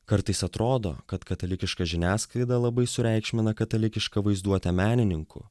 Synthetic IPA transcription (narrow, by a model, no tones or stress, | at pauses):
kɐɾt̪ɐɪsɐt̪ɾoːd̪o̰ːkɐt̪kɐt̪ɐlʲɪkʲɪʃkɐʒʲɪnʲæːskˠɐɪd̪ɐlˠɐbɐɪsʊɾʲɛɪkʃʲmʲɪnɐkɐt̪ɐlʲɪkʲɪʃkɐʋɐɪzd̪uɔt̪ʲɛmʲæːnʲɪnʲɪŋkʊ̰